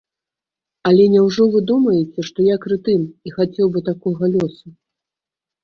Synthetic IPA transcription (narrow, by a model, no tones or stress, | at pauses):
ɐlʲɛnʲɛwʐɔvɨd̪umɐjɛt͡sʲɛʂt̪ɔjakɾɨt̪ɨmixat͡sʲɛwbɨt̪akɔɣɐlʲɔsu